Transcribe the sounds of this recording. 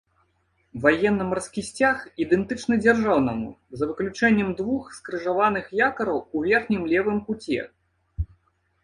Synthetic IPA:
vajɛnːɐmarskʲisʲt͡sʲaxid̪ɛnt̪ɨt͡ʂnɨd͡zʲarʐawnɐmṵzɐvɨklʲut͡ʂɛnʲːɛmd̪vuxskɾɨʐavanɨxjakɐɾɐwuvʲɛrxnʲimlʲɛvɨmkut͡sʲɛ̰

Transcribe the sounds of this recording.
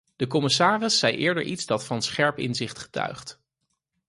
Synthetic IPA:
d̥əkɔmɪsaːrɪsːɛjʔɪːɹdə̰ɹʔitzdɑtfɑnsχɛɹpɪ̰nzɪχtχə̥tœ̰ɥχt

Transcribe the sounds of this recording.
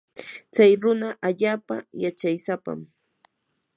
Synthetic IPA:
t͡sajɾʊnaʔaʎaːpa̰jat͡ʃajsapa̰m

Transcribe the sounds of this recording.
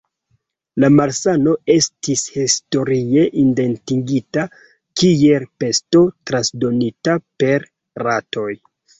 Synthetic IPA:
lamaɾsano̞e̞stishisto̞ɾie̞ʔinde̞ntiŋɡita | kielpe̞sto̞tɾansdo̞nitape̞ɾ | rato̞j

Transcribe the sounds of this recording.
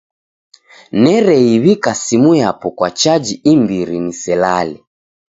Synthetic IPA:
nɛɾɛiβikasimujapɔkwat͡ʃad͡ʒiimbiɾinisɛlalɛ

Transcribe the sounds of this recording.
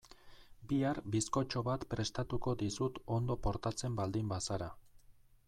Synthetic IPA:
biaɾbisko̞t͡ʃo̞βat̪pɾe̞st̪at̪uko̞d̪isut̪o̞nd̪o̞po̞ɾt̪at͡se̞mbald̪imbasaɾa

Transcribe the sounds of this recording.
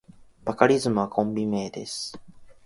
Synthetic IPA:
b̥akaɾʲizɨmɯ̟βakʰõ̞mbʲime̞ːd̪e̞̰sɨ̥

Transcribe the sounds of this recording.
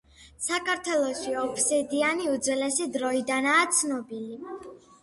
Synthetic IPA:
sakʰaɾt̪ʰwɛlˠɔʃiɔpʰsɛd̪ianiud̪zlɛsid̪ɾɔid̪anaːt̪sʰnɔbili

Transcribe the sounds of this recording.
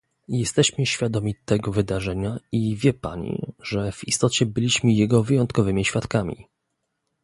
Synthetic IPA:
jɛst̪ɛɕmɘɕfʲjad̪ɔmʲit̪ɛɡɔvɘd̪aʐɛɲaivʲjɛpa̰ɲḭʐɛvist̪ɔt͡ɕɛbɘlʲiɕmɘjɛɡɔvɘjɔnt̪kɔvɘmʲiɕfʲjat̪kamʲḭ

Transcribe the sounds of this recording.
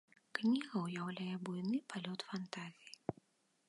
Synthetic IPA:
knʲiɣɐwjawlʲajɛbujnɨpalʲɔt̪fant̪azʲiji

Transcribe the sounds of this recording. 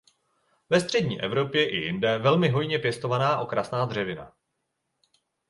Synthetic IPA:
vɛst̪r̥ɛdɲiːʔɛvɾo̞pjɛʔɪ̰jɪndɛvɛlmɪɦo̞jɲɛpjɛst̪o̞vanaːʔo̞kɾasnaːd̪r̝ɛvɪna̰

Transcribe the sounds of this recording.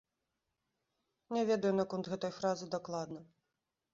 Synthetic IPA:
nʲɛvʲɛd̪ɐjunɐkɔnt̪ɣɛt̪ɔjfɾazɨd̪aklˠad̪nɐ

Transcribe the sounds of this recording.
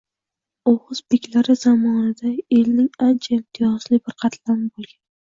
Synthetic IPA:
oʁɨzbekʲlaɾɪz̥amɒnad̪aelnɪŋant͡ʃʰaɪmt̪ʰɪjɒzlɪbɪɾqʰɑt̪ʰlanɪbolˠɡʲan

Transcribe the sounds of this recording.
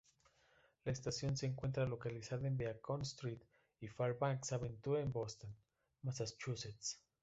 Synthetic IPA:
laest̪asjo̞nseːŋkwe̞nt̪ɾalo̞kalisaðaembeakonst̪ɾit̪ | ifaɾbaŋksaβent̪uɾaembost̪on | masast͡ʃuset̪s

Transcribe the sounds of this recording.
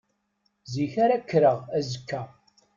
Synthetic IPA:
ziçaɾakːɾəʁæzəkːæ

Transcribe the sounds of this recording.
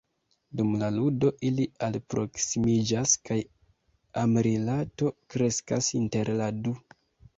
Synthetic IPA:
dumlaludo̞ʔilialpɾʔo̞ksimid͡ʒaskaj | ameɾilato̞kɾe̞skasinte̞ɾladu

